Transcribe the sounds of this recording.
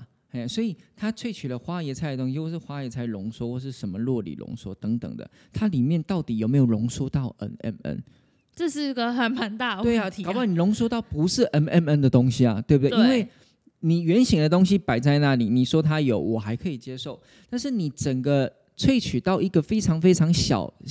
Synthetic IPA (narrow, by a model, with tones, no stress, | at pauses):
e˥˩˨swɔ˧˥i˨˩t̪ʰa˥t͡sʰwe˥˩ɪt͡ɕʰy˨˩lə˦xwa˥jɛ˧˥t͡sʰa˥˩ɪd̪ə˩t̪ʊ˥ŋɕi˧˥wʂɻ̩˥˩xwa˥jɛ˧˥t͡sʰa˥˩ɪlʊ˧˥ŋʂwɔ˥xwɔ˥˧ʂɻ̩˥˩ʂə˧˦nmə˧lwɔ˥˩lḭ˨˩lʔʊ̰˧˥ŋʂwɔ˥t̪ə˧˥ŋt̪ə̰˨˩ŋd̪ə̰˦ | t̪ʰa˥li˨˩mjɛ˥˧˨nt̪ɑ˥˩ʊt̪i˨˩jo˨˩me˧˥jo˨˩lʊ˧˥ŋʂɔ˥t̪ɑ˥˩ʊʔə̰˦˥nɛ̰˧˥nə̰˦˥n | ʈ͡ʂɤ˥˧ʂɻ̩˥˩i˥ɡə˨xə˨˩nma˨˧˦nt̪a˥˩˧wɪa˨a˨˩pni˨˩lʊ˧˥ŋswɔ˥t̪ɑ˥˨˩ʊpu˧˦ʂɻ̩˥˩ʔə˥nɛ˥nə˦˥nd̪ə˨t̪ʊ˥ŋɕi˦a̰˨t̪we˥˨˩bu˨d̪we˥˩ɪ | ni˨˩ɥɛ˧˦˥nɕi˨˩ŋd̪ə˨t̪ʊ˥ŋɕi˦pa˨˩ɪt͡sa˥˧ɪna˥˩li˨˩ni˨˩ʂwɔ˦˥t̪ʰa˦jo˨˩ʊwɔ˨˩xa˧˥ɪkʰɤ˧˥i˨˩t͡ɕjɛ˥ʂo˥˩ʊ | t̪a˥˧nʂɻ̩˥˩ni˨˩ʈ͡ʂə˨˩ŋɡə˦ | t͡sʰwe˥˩ɪt͡ɕʰy˨˩t̪ɑ˥˩ʊi˧˥ɡə˨fe˥ɪʈ͡ʂʰɑ˧˥ŋfe˥ɪʈ͡ʂʰɑ˧˥ŋɕjɑ̰˨˩ʊ